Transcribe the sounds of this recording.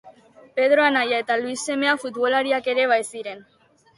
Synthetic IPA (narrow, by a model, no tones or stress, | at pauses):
pe̞ð̞ɾo̞anajae̞t̪aluisːe̞me̞afut̪βo̞laɾiake̞ɾe̞βajsiɾe̞n